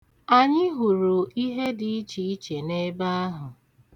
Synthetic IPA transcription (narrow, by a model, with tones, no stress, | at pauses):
a˨ɲɪ˦ɦu˨ɾu˨i˦ɦe˦di˨i˦t͡ʃi˨i˦t͡ʃe˨ne˦ba˦ɦʊ˨